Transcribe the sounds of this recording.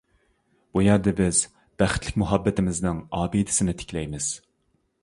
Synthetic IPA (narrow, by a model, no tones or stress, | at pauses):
b̥ujɑɾd̪ɛbɪz̥ | b̥æχɪt̪ʰlɪkʲmʊɦɑbːɪt̪ɪmɪznɪŋɑːbid̪ɪ̥sɪnɪt̪ʰɪ̥kʲlɛjmɪz̥